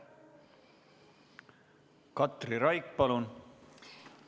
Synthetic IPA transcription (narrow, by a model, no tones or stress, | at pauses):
kɑt̪riɾɑjkpɑlun